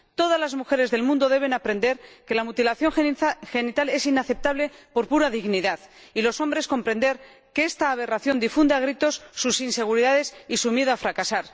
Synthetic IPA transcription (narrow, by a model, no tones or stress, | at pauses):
t̪o̞ð̞azlazmuxe̞ɾe̞zðe̞lmũnd̪o̞ðe̞β̞e̞napɾe̞nd̪e̞ɾke̞lamut̪ilaθjo̞ŋxe̞nit̪ale̞sinaθe̞p̚t̪aβle̞po̞ɾpuɾaðiɣniðað | ilo̞so̞mbɾe̞sko̞mpɾe̞nd̪e̞ɾ | keest̪aːβ̞e̞raθjo̞nd̪ifund̪eaɣ̞ɾit̪o̞sːusinse̞ɣ̞uɾiðaðe̞sisumjeðoafɾakasaɾ